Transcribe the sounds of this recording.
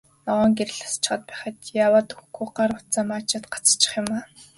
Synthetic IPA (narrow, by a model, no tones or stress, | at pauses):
nɔʁɔːŋɡeɾɘ̆ɮḁst͡ɕɪ̥̆χə̆t̪̚pæːχə̆t̪jaːwaːt̪u̥xɡuɢarmʊt̪t͡samaːt͡ɕăːt̪ɢḁt͡st͡ɕɪ̥̆χjʊmaː